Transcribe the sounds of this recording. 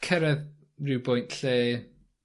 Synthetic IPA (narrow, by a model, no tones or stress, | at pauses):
kʰɛɾɛð | rɪwbɔjntɬeː